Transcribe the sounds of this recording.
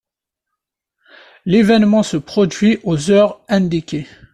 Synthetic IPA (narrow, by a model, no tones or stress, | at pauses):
levɛnmɑ̃səpχɔd̪ɥiʔozœʁɛ̃d̪ikʲe